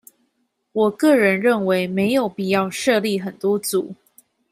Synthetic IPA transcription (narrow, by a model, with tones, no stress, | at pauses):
wɔ˨˩kɤ˥˨ɻə˨˧˦nɻə˥˨nwe˧˦ɪme˨˦ɪjo˨˩ʊpi˨˩jɑ˥˧ʊʂɤ˥˧li˥˨xə˨˩nt̪wɔ˥t͡su˨˩˦